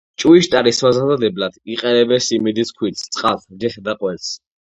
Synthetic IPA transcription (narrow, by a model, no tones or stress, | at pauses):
t͡ʃʼuiʃt̪ʼaɾismazad̪ad̪ɛblad̪̥iqʼɛnɛbɛsimid̪iskʰwit̪st̪sʼqʼald͡ʒɛsd̪aqʼwɛls